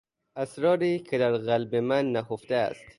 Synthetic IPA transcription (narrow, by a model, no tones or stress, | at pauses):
ʔæsɾɒːɾiːkʰed̪æɾɣælbemænːæhoft̪eæ̰st̪